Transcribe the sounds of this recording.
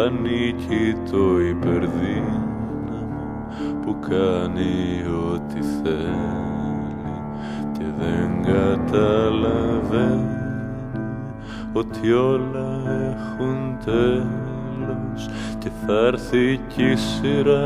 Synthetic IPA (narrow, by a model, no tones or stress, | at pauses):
nicʰit̪ʰo̞ipe̞ɾði | nɐmo | pukʰɐnio̞t̪iθe | ni | ce̞ðe̞ŋɡɐt̪ɐlɐve | ni | o̞t̪ʰio̞lɐexunt̪e | lo̞s | ce̞θɐɾθicisiɾɐ